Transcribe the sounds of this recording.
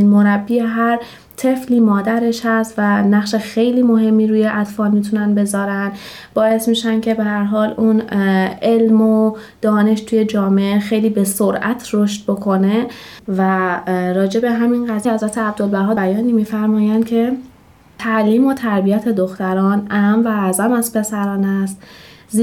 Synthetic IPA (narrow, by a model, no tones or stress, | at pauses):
nmo̞ɾæbːiːeɦæɾ | t̪ʰe̞fliːmɒːd̪æɾe̞ʃhæst̪vænæχʃe̞xe̞jliːmo̞ɦe̞mːiːɾuːjeʔæd̪̥fɒːlmiːt̪ʰunænbe̞zɒːɾænd̪ | b̥ɒːe̞smiːʃæncʰe̞be̞hæɾɦɒːlune̞lmo̞ | d̪̥ɒːne̞ʃt̪ʰuːje̞d͡ʒɒːmeʔexe̞jliːbe̞so̞ɾʔæ̰t̪ʰroʃt̪̚bo̞kʰo̞ne̞ | væɾɒːd͡ʒe̞be̞ɦæminɢæt̪hæzæt̪ʰeæb̚d̪o̞lbæɾɦɒːbæjɒːniːmiːfæɾmɒːjænd̪̥cʰe̞ | t̪ʰæʔliːmot̪ʰæɾbiæt̪ʰe̞d̪o̞xt̪æɾɒːnʔæmvæːzæmæzpʰe̞sæɾɒːnæst̪z